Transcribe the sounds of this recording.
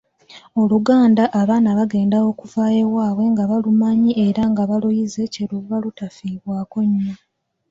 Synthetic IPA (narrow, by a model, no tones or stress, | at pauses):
o̞luɡaːndaʔːβaːnaβaɡe̞ːndao̞ːkuvaːjewaːβwe̞ŋɡaβalumaɲie̞ɾaŋɡaβalujize̞ce̞luvalutafiːβwaːko̞ɲma